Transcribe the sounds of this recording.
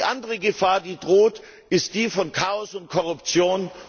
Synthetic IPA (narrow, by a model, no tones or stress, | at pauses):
ʔandəʁəɡəfaːɐdiːdʁoːt | ʔɪst̚d̥iːfɔnkʰaːɔsʊntkʰɔʁ̞ʊpt͡sjoːn